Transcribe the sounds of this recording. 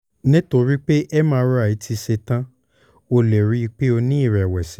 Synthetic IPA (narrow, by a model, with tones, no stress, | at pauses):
nĩ˦to˧ɾi˦k͡pe˦ʔɛ˦mãː˦ɾu˦a˦˨i˨˦tʰi˧se˧tã˦ | o˧lɛ˨ɾi˨˦˧k͡pe˦o˧nĩ˦i˦˨ɾɛ˨wɛ˨sĩ˨˦